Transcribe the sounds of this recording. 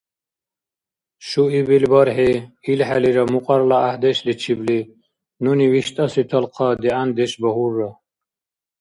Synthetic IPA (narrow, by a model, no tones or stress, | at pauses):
ɕuibilbəɾɦeilhaliɾamuqʼɑɾlaːhd̪eɕlit͡ɕʰibli | nuniwiɕt̪asit̪ʰɐlqʰɑd̪iand̪eɕbəhurːa